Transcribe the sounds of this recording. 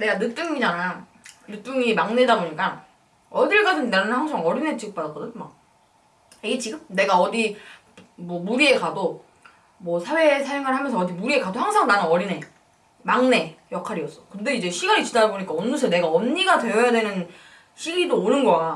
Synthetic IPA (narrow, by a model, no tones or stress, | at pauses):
ne̞ɡanɯt͈uŋɲid͡ʑanaj | nɯt͈uŋimaŋne̞daboɲik͈a | ʌdiɭk͈adɯnːennɯnhaŋsʰaŋʌɾinet͡ɕiɡɯp͈adatkʌdɯnma | iɡet͡ɕiɡɯmne̞ɡaʌdi | mwʌmuɾie̞kado | mʌsʰawe̞sʰajoŋɯɭɦamjʌnsʰʌːdimuɾie̞kadohaŋsʰaŋnanɯnʌɾine̞ | maŋne̞jʌkʰaɾiʌs͈ʌkɯnde̞id͡ʑe̞ɕʰiɡaɾit͡ɕidadaboɲik͈aʌnːɯsʰene̞ɡaʌmɲiɡadwe̞jʌjadwe̞nɯn | ɕʰiɡidoːɾɯnɡʌa